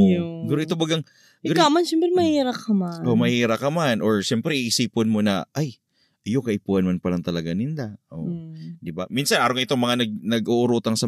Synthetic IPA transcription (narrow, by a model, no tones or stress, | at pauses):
oɪɡuːɾoʔɪt̪obɐɡɐŋ | suɾamanʃɛmpɾɛmɐhiːɾɐkːɐmaʔomɐhiːɾɐkɐmanʔo̞ɹʃɛmpɾɛʔiʔɪsiːpɪnmonɐ̰ʔaj | ʔɐjokɐʔɪpuːhɐnmanpɐlɐŋt̪ɐlɐɡanɪnd̪aʔo̰d̪ɪba̰minsɐnʔaːɾoŋʔɪt̪oŋmɐŋanɐɡ̚nɐɡʔoʔʊɾuːt̪ɐŋsɐ